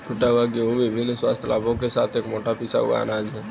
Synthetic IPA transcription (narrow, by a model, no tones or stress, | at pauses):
kʊʈabaɡioʋɪbʱɪnːswa̰ːst̪ʰəla̰ːbʱõkesaːt̪ʰeːkmoːʈapisa̰ɦṵa̰ːnad͡ʒɛː